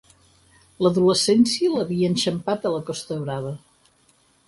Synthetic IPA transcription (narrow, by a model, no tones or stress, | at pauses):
ləðuləsɛnsiələβiəːnʲʃəmpat̪ələkɔst̪əβɾaβ̞ə